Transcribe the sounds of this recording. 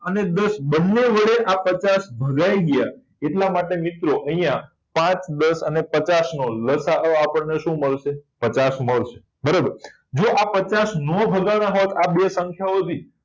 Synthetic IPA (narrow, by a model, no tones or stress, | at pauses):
əned̪əsbənːeʋəɭeʔapət͡ʃasbʱəɡajiɡja | eʈlamaʈemit̪ɾoʔəɦĩjã | pãt͡ʃd̪əsənepət͡ʃasnoləsaəapəɳneʃũməɭʃepət͡ʃasməɭʃe̥ | bəɾobəɾ | d͡ʒoʔapət͡ʃasnɔbʱəɡanãɦot̪ʰabesə̃ŋkʰjaot̪ʰi